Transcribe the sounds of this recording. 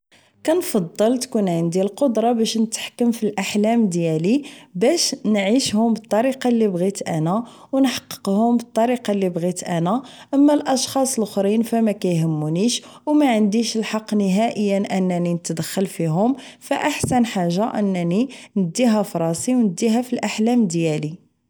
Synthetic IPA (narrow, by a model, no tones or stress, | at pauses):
kænfɑd̪ˤːəlt̪kunʕənd̪ilqod̪ɾˤɑbæʃnət̪ħkːəmfilʔaħlæmd̪jælibæʃnʕiʃhʊmbət̪ˤːɑɾiqɑlːibɣit̪ʔænæ | wnħɑ̥qːə̥qhʊmbət̪ˤːɑɾiqɑlːibɣit̪ʔænæʔəmːælʔɑʃxɑsˤlxɾinfæmækæjhəmːuniʃ | wmæʕənd̪iʃlħɑqːniɦæʔəjːənʔənːæninət̪d̪əxːəlfiɦʊmfæʔaħsænħaʒːaʔənːæninəd̪ːiɦæfɾˤɑsiwnəd̪ːiɦæfilʔaħlæmd̪jæli